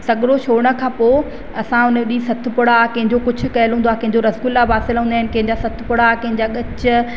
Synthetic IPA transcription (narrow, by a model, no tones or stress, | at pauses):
sɐɠɽoʃoːɽ̃ə̆kʰãːpoː | ɐsãʊnɗisɐt̪ʰʊ̆pʊɽakɐ̃ɦɪ̃ɲd͡ʑokʊd͡ʑʰʱʊ̆kɐjəlɦũːnd̪aːkɐ̃ɦɪ̃ɲd͡ʑoɾɐskʊlabaːsɪlɦũnd̪aɦɪnɪ̆kɐ̃ɦɪ̃ɲd͡ʑasɐt̪ʰpʊɽakɐ̃ɦɪ̃ɲd͡ʑaɠɐt͡ɕʊ